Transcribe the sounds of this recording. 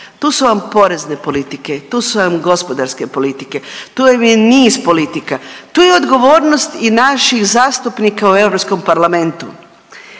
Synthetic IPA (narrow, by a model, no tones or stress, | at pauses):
t̪uːsuʋampo̞ɾezne̞po̞lit̪ike̞t̪uːsuʋamɡo̞spo̞d̪aɾske̞po̞lit̪ike̞t̪ujemijeniːzpo̞lit̪ikat̪uːjeo̞d̪ɡo̞ʋo̞ːɾnost̪inaʃixzaːst̪upnikaue̞ʋɾopsko̞mpaɾlame̞nt̪u